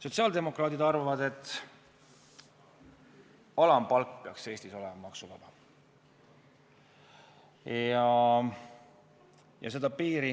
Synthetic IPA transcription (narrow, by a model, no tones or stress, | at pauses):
so̞t̪ʲsiɑːld̪e̞mo̞krɑːt̪id̪ɑrvɑvɑd̪e̞t̪ːˑ | ɑlɑmpɑlkpeɑkse̞ːsʲt̪iso̞lemɑmɑksuvɑb̥ɑ | jɑ | jɑ̰s̬e̞d̪̥ɑpiːɾi